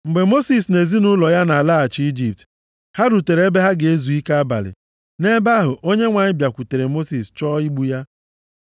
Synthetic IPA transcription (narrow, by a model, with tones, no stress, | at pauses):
ŋ͡m̩˨ɡ͡be˨mo˦si˨s̬ne˨zi˦nʊ˦lɔ˨ja˦na˨a˨la˦a˨t͡ʃi˦d͡ʒi˨p̚t | ha˦ɾu˨te˨ɾe˦be˦ɦa˦ɡe˦zu˨i˦ka˦a˦ba̰˨lɪ̰˨ | ne˦ba˦ɦʊ˨ʔo˦ɲe˦ŋʷa˨ɲɪ˦bja˨kʷu˨te˨ɾe˨mo˦si˨st͡ʃɔː˦i˦ɡ͡bu˦ja˦